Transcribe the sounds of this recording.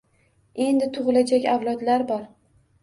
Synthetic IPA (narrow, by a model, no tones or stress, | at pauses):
e̞nd̪ɪt̪ʰʊʁɨlad͡ʒakʲawlˠɒd̪laɾbɒɾ